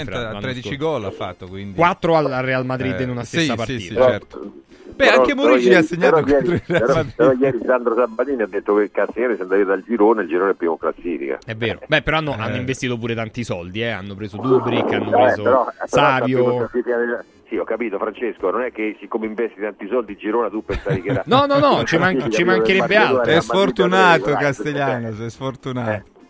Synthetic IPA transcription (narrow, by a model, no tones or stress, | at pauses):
ɾed̪it͡ʃiɡɔlːafːat̪ːokwind̪ikwat̪ːɾoalarːealmad̪ɾid̪ːinunast̪ssːapaɾrḭːat͡ʃɔɛɾt̪ | bɛaɾɔkemoɾijt͡ʃasːeɲːaɾɔjɛːɾialɾsaɾɔjɛːɾisand̪ɾosabaliːniad̪ːet̪ːokekaseɛːɾesɛnd̪aviɾd̪ald͡ʒiɾoːneild͡ʒiɾoːnɛpːioklasːiːfḭka̰ɛvːeːɾo̰bɛpːeɾɔanːoʔanːoiɱvest̪iːt̪op̬uːɾet̪ant̪isɔld̪iɛa̰nːopɾeːzod̪uːbɾikeanːoeːsoeɾɔsaɔːvjolasiːfikanel | siɔkːapiːt̪ofɾant͡ʃeskononɛkːesikːomeiɱvɛst̪it̪ant̪isɔld̪id͡ʒiɾoːnat̪upːensavikeɾanɔnɔnɔt͡ʃimaŋt͡ʃt͡ʃimaŋkeɾɛbːealɛsfort̪unaːt̪okaseʎjaːnosɛsfort̪unaːt̪o